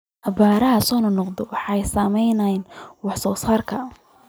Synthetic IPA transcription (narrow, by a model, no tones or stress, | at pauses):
ʔɐbaːɾɐɦɐsɔːnɐnɔqd̪ɔwɑħɑɛjsamɛjnɐjnwɑħsɔːsaːrkʰɐ